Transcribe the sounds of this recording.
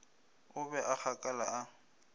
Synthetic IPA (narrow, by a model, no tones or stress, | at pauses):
ʊbɛʔak͡xakʼalaa